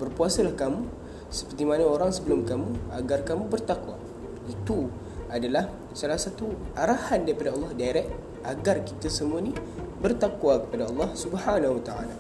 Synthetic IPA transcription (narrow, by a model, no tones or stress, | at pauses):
bərpuasalahkamu | sə̥pərt̪imanaoɾaŋsəbəlʊmkamũa̰ɡarkamũbərt̪akwa | it̪u | adalah | salahsat̪uaɾahandaɾipadaɑlːɑhdaeɾɛʔ̚ | aɡarkit̪asəmuanibərt̪akwakə̥padaɑlːɑhsubhanahwat̪aa̰la